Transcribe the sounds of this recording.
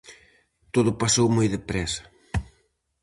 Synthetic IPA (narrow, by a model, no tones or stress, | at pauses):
t̪oðʊpasowmojðɪpɾɛsɐ̥